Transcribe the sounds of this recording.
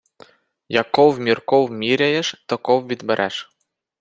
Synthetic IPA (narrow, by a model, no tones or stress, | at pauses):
jakɔwvmʲirkɔwmʲiɾʲɛjɛʂt̪ɔkɔwvʲid̪bɛɾʔɛ̰ʂ